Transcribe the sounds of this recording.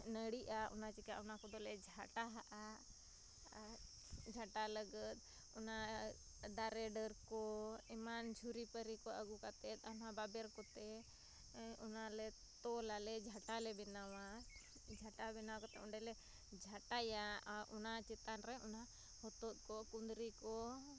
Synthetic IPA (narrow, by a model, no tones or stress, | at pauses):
nəɽiʔaʔɔnat͡ʃika̰ʔunakɔd̪ɔlɛd͡ʒʱaʈaɦaʔa | d͡ʒʱaʈaləɡət̪̚ˀ | ɔna | d̪aɾɛɖəɾkɔɛmand͡ʒʱuɾipəɾikɔʔəɡukat̪ɛt̪̚anababɛɾkɔt̪ɛ | ɔnalɛ | t̪ɔlalɛd͡ʒʱaʈalɛbɛnawa | d͡ʒʱaʈabɛnaakɔt̪ɛɔɳɖɛlɛ | d͡ʒʱaʈajaʔɔnat͡ʃɛt̪anɾɛɔna | hɔt̪ɔt̪̚kɔkund̪ɾikɔ